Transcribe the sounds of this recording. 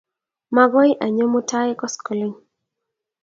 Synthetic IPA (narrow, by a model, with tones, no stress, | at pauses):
ma˦ɡɔ˦ɪ˦ʔa˨ɲɔ˦mo˦ta˦ɛ˦kɔ˦skɔ˨li˦ŋ